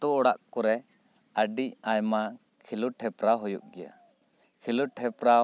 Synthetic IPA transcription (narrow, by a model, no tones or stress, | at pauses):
t̪uɔɽaʔkɔɾɛ | əɖicajma | kʰiluʈʰɛpɾaɦɔjṵʔ̚ɡɛja̰ | kʰiluʈʰɛpɾa